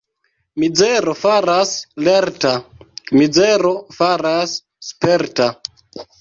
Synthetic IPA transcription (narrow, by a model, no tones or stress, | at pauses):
mid͡zeɾofaɾasleɾtamid͡zeɾo̞faɾasː | peɾta